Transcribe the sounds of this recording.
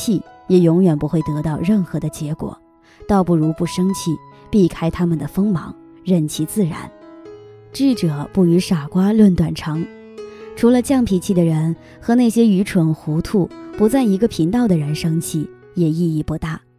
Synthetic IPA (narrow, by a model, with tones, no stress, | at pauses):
t͡ɕʰi˥˩jɛ˨˩jʊ˧˥ŋjɥɛ˨˩npu˧˥xwe˥˩ɪt̪ɤ˧˥t̪ɑ˥˧ʊɻə˥˩nxɤ˧˥d̪ə˧t͡ɕjɛ˧˥kwɔ̰˨˩˦ | t̪ɑ˥˧ʊpu˥˩ɻu˧˥pu˥˩ʂɤ˥ŋt͡ɕʰi˥˩ | pi˥˩kʰa˥ɪt̪ʰa˥mə˨nd̪ə˩fɤ˥ŋmɑ̰˧˥ŋ | ɻə˥˩nt͡ɕʰi˥t͡sɹ̩˥˩ɻa̰˧˥n | ʈ͡ʂ̩˥˩ʈ͡ʂɤ˨˩˦pu˥˩y˧˥ʂa˨˩kwa˥lwə˥˩nt̪wa˨˩nʈ͡ʂʰɑ˧˥ŋ | ʈ͡ʂʰu˧˥lə˧t͡ɕjɑ˥˩ŋpʰi˨˩t͡ɕʰi˥˩d̪ə˩ɻə˧˥n | xɤ˧˥na˥˩ɕjɛ˥y˧˥ʈ͡ʂʰwə˧˥ŋxu˧˥t̪ʰu˥˩pu˧˥t͡sa˥˩ni˧˥ɡə˧pʰi˧˥ŋt̪ɑ˥˩ʊd̪ə˩ɻə˧˥nʂɤ˥ŋt͡ɕʰi˥˩ | jɛ˨˩i˥˧i˥˩pu˧˥t̪a˥˩